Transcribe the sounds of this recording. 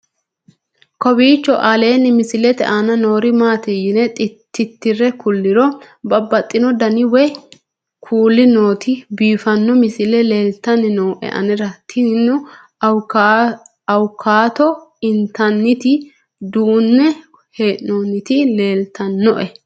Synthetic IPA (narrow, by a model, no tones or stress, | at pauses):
kɔbiːt͡ʃːɔʔale̞ːnːɪmɪsɪlɛt̪ɛ̰ʔanɐno̞ːɾɪmaːt̪ɪjɪnɛt̪ʼɪt̪ːɪt̪ːɪrɛkʊlːɪɾɔ | bɐbːɐt̪ʼːɪnɔd̪ɐnɪwɛ | kʰuːlːɪno̞ːt̪ɪbiːfɐnːɔmɪsɪlɛle̞ːlt̪ɐnɪnoːʔɛ̰ʔɐ̰nɛɾɐt̪ʰɪnʊ | ɐwkʰːaːt̪ɔɪnt̪ɐnːɪt̪ɪ | d̪uːnːɛ | heːʔnoːnːɪt̪ɪle̞ːlt̪ɐnːɔʔɛ